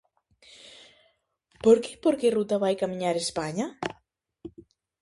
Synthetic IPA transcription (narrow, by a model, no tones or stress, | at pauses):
poɾkepoɾkerut̪aβajkamĩɲaɾespaɲa